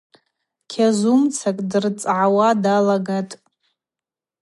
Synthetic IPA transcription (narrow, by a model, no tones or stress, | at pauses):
kʲʰazumt͡sʰakʼdɨrt͡sʼʕawadalaɡatʼ